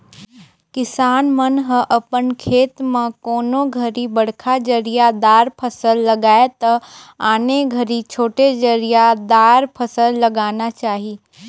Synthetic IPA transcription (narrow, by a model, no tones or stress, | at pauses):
kɪsaːnmənɦə̃ʔɐpənkʰeːt̪mãkoːnoɡʱɐɾibɐɽ̤kʰad͡ʒəɾijad̪aːɾpʰəsəlːɐɡaːet̪ɐaːneɡʱɐɾit͡ʃʰoːʈed͡ʒəɾijad̪aːɾpʰɐsəlːɐɡaːnat͡ʃaːɦiː